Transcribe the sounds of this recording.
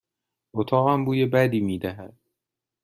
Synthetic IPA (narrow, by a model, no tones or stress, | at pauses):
ot̪ʰɒːɣæmbuːjebæd̪iːmiːd̪æɦæd̪̥̚